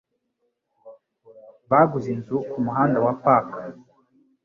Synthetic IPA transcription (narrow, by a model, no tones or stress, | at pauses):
βaɡuzinzukumuɦaːndawapaːkḁ